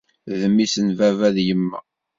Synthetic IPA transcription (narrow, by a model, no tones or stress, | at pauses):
ðəmːisənvævæðjəmːæ̰